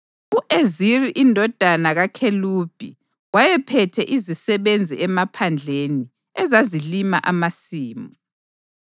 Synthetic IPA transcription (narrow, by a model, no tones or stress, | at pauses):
uʔeziriʔindʱɔd̥ʱanaɣakʰelub̥ʱḭ | wajɛpʰɛtʰɛʔizisɛβend͡zʱiʔɛmapʰand͡ɮʱeni | ɛzazilima̰ʔamasiːmu